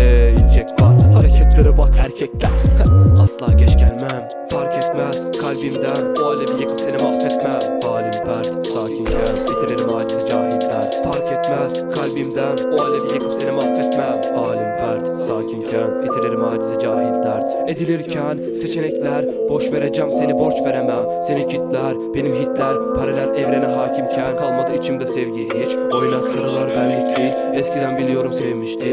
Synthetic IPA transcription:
jind͡ʒɛcbahaɾecʰat̪ʰlˠaɾɯbakæɾcʰɛclæasllˠaːɟɛt͡ʃcʰænmæn | faɾkʰɛt̪mæz̥kʰalʲbimd̪ænoalʲabijekʰɯ̥psenʲemat̪ɛt̪mɛhaːlʲimpʰæɾt̪saːcʰincʰænjet̪ʰileɾimaːd͡ʒizid͡ʒaːɦilʲːæɾfaɾkɛt̪mæz̥kʰalʲbimd̪ænoalʲabijekʰɯ̥psenʲemat̪ʰɛt̪mɛ | aːlʲimpʰæɾt̪saːcʰimcʰænet̪ʰileɾimaːd͡ʒizid͡ʒaːɦilʲːæɾ | ed̪ilʲiɾcʰæn | set͡ʃʰelɛclʲæɾ | boʃve̞ɾed͡ʒæmse̞nibo̞ɾt͡ʃve̞ɾemæmse̞nicʰit̪ʰlʲæɾbe̞nimɦit̪ʰlʲæɾpʰaɾelʲænɛvɾenɛɦaːcʰimcʰænkʰalˠmad̪ɯit͡ʃʰimd̪ɛsɛvɟiɦit͡ʃ | o̞jnaklˠɯɾɯlˠaɾbænlːʲiclʲi | ɛscʰid̪ænbilʲijo̞ɾumsemiʃt̪ʰi

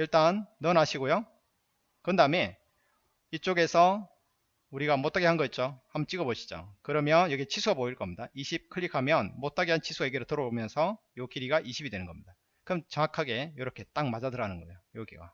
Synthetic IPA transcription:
iɭt͈anːʌnaɕʰiɡojo | kɯndaɯme | it͡ɕ͈oɡe̞sʰʌ | uɾiɡamot͈aɡeɦanɡʌit̚t͡ɕ͈ohamʌnt͡ɕ͈iɡʌboɕʰi̥d͡ʑo̰kɯɾʌmjʌnjʌɡet͡ɕʰisʰuɡaboiɭk͈ʌmɲidaiɕʰip̚kʰɯɭʎːikʰamjʌnmot͈̚ʰaɡeɦant͡ɕʰisʰuɡaeɡiɾɯɭtɯɾʌbomjʌnsʰʌjokiɾiɡaʔiɕʰibidwe̞nɯnŋɡʌmɲida | kɯmt͡ɕʌŋakʰaɡe̞joɾʌkʰe̞t͈aŋmad͡ʑadɯɾanɯnɡʌjojoɡiɡa̰

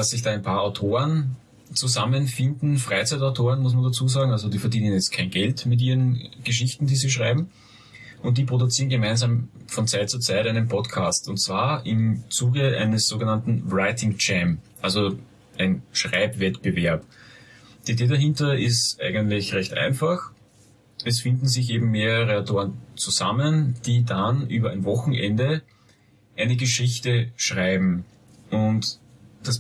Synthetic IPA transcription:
asːɪçd̥aːɛɪnpʰaːɐaʊtʰoːʁən | t͡suzamənfɪndn̩fʁ̥aɪt͡sæɪtaʊtʰoːʁənmʊs̬mɐndat͡suːzaːɡŋ̩alzodiːfɛɐdiːnənjɛt͡sst̚kʰæɪnɡɛltmɪt̬ʔiːʁənɡ̥əʃ̬ɪçtn̩d̥iːziːʃ̬ʁaɪbm̩ | ʔʊnt̚d̥iːpʁ̥odʊt͡siːənɡəmaɪnzaːmfɔnt͡sæɪt̚t͡suɐt͡saɪtæɪnənpʰɔtkʰaːstʊntt͡sv̥aːɐɪmt͡suːɡəʔæ̰ɪnəsz̥oːɡənantn̩ʁaɪtʰɪŋt͡ʃɛmʔalzo | ʔæɪnʃʁaɪpvɛtb̥əvɛɐp | d̥iːideːdaɦɪ̃ntɐɪstʔæ̰ɪɡəntlɪçʁɛçtʔæ̰ɪnfax | ɛsfɪndn̩zɪçeːbm̩meːʁəʁəatʰoːʁənt͡suzamənd̥iːdanʔyːbɐæ̰ɪnvɔxŋ̩ʔɛndə | ʔæɪnəɡəʃɪçtəʃʁaɪbm̩ | ʔʊntd̥as

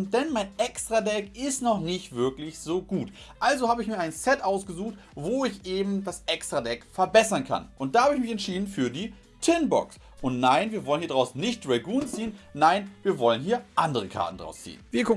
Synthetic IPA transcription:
d̥ɛnmaɪnʔɛkstʁ̥adɛkɪstnɔχnɪçtv̥ɪɐklɪçz̥oːɡuːtʔalzohaːbəɪçmiːɐʔaɪnsɛtʔaʊsɡ̥əzuːxt | voːɪçʔeːbm̩dasʔɛkstʁ̥adɛkfɛɐbɛsɐnkʰa̰nʔʊntd̥aːhaːbəɪçmɪçɛntʃiːdn̩fyːɐdiː | tʰɪnbɔ̰ks | ʔʊntnaɪnviːɐvɔlənhiːɐdaʁaʊsnɪçt̚d̥ʁɛɡuːnt͡siːənːaɪnviːɐvɔlənɦiːɐʔandəʁ̞əkʰa̰ɐtn̩dʁa̰ʊst͡sḭːənviːɐkʰʊ

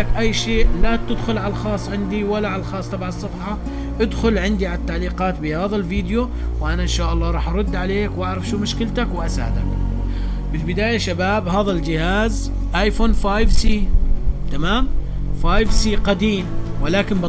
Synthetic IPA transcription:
akʔajːʃeːʔlat̪ɪd̪xʊlʕalxɑːsˤːʕɪnd̪iwalːaʕalalxɑːsˤt̪ˤɑbʕɑsˤːɑbħɑ | ʔɪd̪xʊlʕɪnd̪iʕalat̪ːaʕliːqɑːt̪bɪhaːðalviːd̪jo | wʔanaʔɪnʃaːʔɑlˤːɑːɾˤɑːħʔɑɾˤʊd̪ːʕaleːkwʔaʕɾˤɑfʃuːmʊʃkɪlt̪akwʔasːd̪a̰k | bɪlbɪd̪aːjaʃabaːbhaːðald͡ʒɪhaːz | ʔajfoːnfaːjvsiːt̪amaːmfaːjvsiːqad̪iːmwɪlaːkɪnb

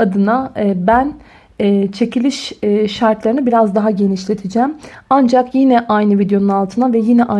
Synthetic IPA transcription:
ad̪ɯnabænː | t͡ʃʰe̞cʰilʲiʃːaɾt̪lˠaɾɯnɯbiɾazd̪aɦaɟe̞niʃlʲe̞t̪ʰid͡ʒæmand͡ʒakjinɛʔajnɯvid̪jo̞nunalˠt̪ʰɯnavɛjinɛʔa

